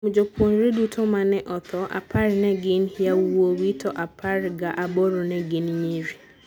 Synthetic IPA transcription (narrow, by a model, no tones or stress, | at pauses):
mud͡ʒokʰwonɾedutʰɔmanɛʔɔt̪ʰɔʔa̰pʰaɾnɛɡɪnhjawowitʰɔʔapʰaɾɡaʔabɔɾɔnɛɡɪnɲeɾi